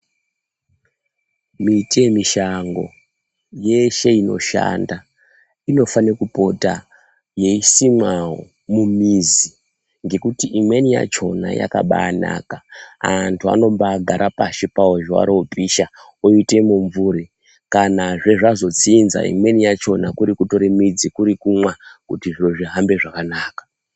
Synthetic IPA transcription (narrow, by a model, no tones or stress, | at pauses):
mitemiʃaŋɡo̞̰ | je̞ʃe̞ino̞̰ʃa̰nda | ino̞fanekupo̞ta | je̞isimwaɦo̰ | mumizi | ŋɡe̞kutiʔimwe̞nija̰t͡ʃo̞na̰ja̰kaɓana̰kaantʰua̰no̞mbadaɾʔapaʃepaoʒwa̰ɾoopiʃa | oite̞muɱvuɾi | kanaʐe̞ʐazo̞d͡ziːnza̰ḭmwe̞nijat͡ʃo̞nakuɾikuto̞ɾemid͡zikuɾikumwakutiʐinoʐiɦambe̞ʐakanaːkḁ